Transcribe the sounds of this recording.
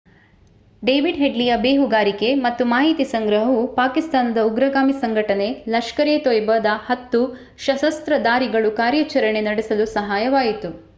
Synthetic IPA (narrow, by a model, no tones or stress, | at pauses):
ɖejʋiɖɦeɖlijɐbeːɦuɡaːɾike̞mɐt̪ːumaːɦit̪isɐŋɡɾɐɦɐupaːkist̪aːnɐd̪ɐuɡɾɐɡaːmisɐŋɡʱɐʈɐne̞lɐʃkɐɾeːt̪ojbɐd̪ɐhɐt̪ːu | ʃɐʃɐst̪ɾɐd̪aːɾiɡɐɭukaːɾjɐt͡ʃɐɾɐɳe̞nɐɽesɐlusɐɦaːjɐʋaːjit̪u